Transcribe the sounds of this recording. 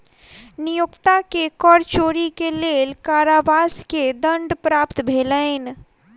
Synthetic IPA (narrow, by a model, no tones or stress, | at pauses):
nijukt̪akekɔɾt͡ʃoɾikelelkaɾaʋasked̪əɳɖpɾapt̪bʱeləɪn